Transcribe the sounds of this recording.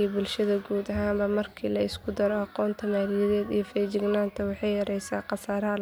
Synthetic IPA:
bʊlʃɐðɐɡuːd̪ɐɦaːmbɐmɐrkʰiːlɐɪskʰʊd̪ɐɾɔɑqɔːnt̪ʰɐmaːlɪjɪðɛːd̪ijɔfɛːd͡ʒɪɡnaːnt̪ʰɐwɑħɑjɐɾɛjsaːqɑsaːɾɐɦɐ

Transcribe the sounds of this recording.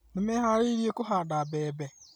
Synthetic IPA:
nimeɦaɾiɾjekʊɦaɗabɛbɛ

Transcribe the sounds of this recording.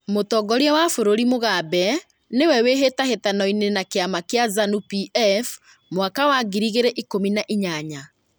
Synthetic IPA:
motɔːɡɔɾiawafoɾoɾimoɣabɛ | newɛweɦetahetanɔinenakeamakeazanupiʔɛf | mwakawaɡiɾiɣeɾɛʔikominaʔiɲaɲa

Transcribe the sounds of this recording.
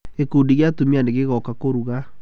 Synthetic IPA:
ekundiɣjatumianeɣeɣɔkakoɾuɣa

